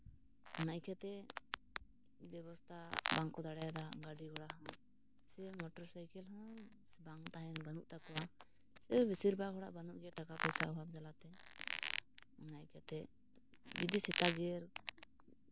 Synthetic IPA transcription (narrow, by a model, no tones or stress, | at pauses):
ɔnajkʰɛt̪ɛ | bjɛβɔst̪ʰabaŋkɔd̪aɽɛd̪aɡaɖiɡɔɽaɦɔ̃ | sɛmɔʈɔɾsajkɛlɦɔ̃ | baŋt̪aɦɛnbanuʔt̪akɔwa | sɛbisiɾbaɡɔɽa̰ʔbanuʔɡɛʈakapɛsaɔbab̚d͡ʒalat̪ɛ | unajkʰɛt̪ɛ | d͡ʒid̪isɛt̪aɡɛɾ